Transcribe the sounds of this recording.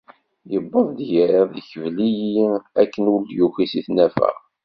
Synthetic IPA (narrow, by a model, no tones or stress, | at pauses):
jəbːɑðˤd̪jəɾəððçəvlijiiækːənuljuxisiθnæfæ̰ʁ